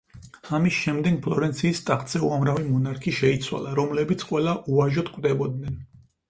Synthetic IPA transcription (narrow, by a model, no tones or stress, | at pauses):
amisʃɛmd̪ɛɡpʰlˠɔɾɛnt̪sʰiːst̪ʼaχʼt̪ʼsɛuamɾavimɔnaɾkʰiʃɛit̪sʰwa̰lˠaɾɔmlɛbit̪sʰqʼwɛlˠaʔuaʒɔt̪kʼwd̪ɛbɔd̪̚nɛn